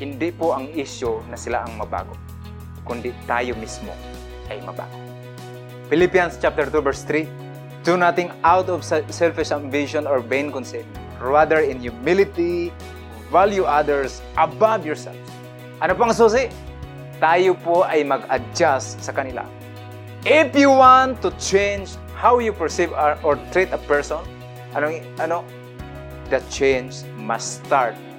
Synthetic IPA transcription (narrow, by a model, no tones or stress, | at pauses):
hɪnd̪ɪpoʔɐŋiʃjonɐsɪla̰ʔɐŋmɐba̰ːɡo̰ | kʊnd̪ɪt̪a̰ːjomismo̰ | ʔɐjmɐ̰ba̰ːɡo | pɪlɪpijanst͡ʃap̚t̪ɛɹt̪uvɛɹst̪ɾi | d̪unat̪ɪŋawt̪ɔvssɛlfɪsɐnvɪʃɔnɔɹbɛjnkʊnsɛ | ɹad̪ɛɹɪnjʊmɪlɪt̪i | valjuʔad̪ɛɹs | ʔɐbavjɔɹsɛ̰lfs | ʔɐnopaɐŋs̬uːs̬ɪʔ | t̪aːjopoʔajmɐɡɐd͡ʒasːɐkɐnɪla̰ | ʔɪfjuwant̪ːʊt͡ʃẽjnd͡ʒ | hawjʊpɛɹsivʔɔɹt̪ɾit̪ɐpɛɹsɔ̃n | ʔɐno | ʔɐno | d̪ɐt͡ʃẽjnd͡ʒ | mɐ̰st̪aɹt̪̚